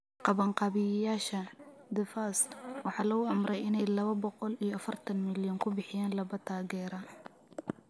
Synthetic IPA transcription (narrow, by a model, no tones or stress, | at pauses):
qɑβɐɴqɑβɪjjaːʃɐ | d̪ɪfaːswɑħɑːlɐɣʊɐmrɛjɪnɛjlɐβɐbɔqɔlijɔɐfɐrt̪ʰɐnmɪljɔŋkʰʊbɪħɪjaːnlɐβɐt̪ʰaːɣɛːɾɐ